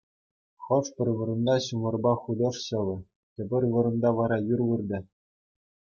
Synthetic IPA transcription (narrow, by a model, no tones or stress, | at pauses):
χɤ̆ʂpʲɘ̆rʲʋɤ̆ɾɤ̆nd̪ɑɕumɤ̆rbɑχud̪ɤ̆ʂɕɤ̆lʲɤ̆ | tʲɘ̆bʲɘ̆rʲʋɤ̆ɾɤ̆nd̪ɑʋɑɾɑjurʋɯrd̪ʲɘ̆